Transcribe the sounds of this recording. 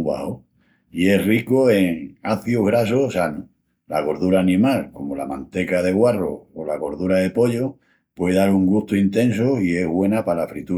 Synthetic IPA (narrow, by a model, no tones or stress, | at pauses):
βa̰ho | ie̞rikoe̞ŋaθjoɣɾasosanu | la̰ɣo̞ɾðuɾaːnĩmalko̞molamãnt̪e̞kaðe̞ɣwaro̰olaɣo̞ɾðuɾaðe̞po̞ʎo | pwe̞ðaɾuŋɡut̪oint̪ẽ̞nsoie̞ɦɣwe̞napalafɾit̪u